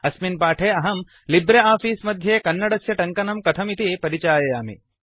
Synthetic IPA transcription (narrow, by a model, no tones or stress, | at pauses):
ɐsminpaːʈʰeːɐɦɐm | libɾeaːfiːsmɐd̪ʱjeːkɐnːɐɽɐsjɐʈɐŋkɐnɐmkɐt̪ʰɐmit̪ipɐɾit͡ʃaːjɐjaːmḭ